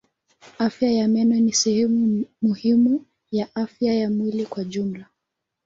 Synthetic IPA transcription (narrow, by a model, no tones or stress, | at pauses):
afjajamɛnɔnisɛhɛmumuhimu | jaʔafjajamwilikwaʄum̩la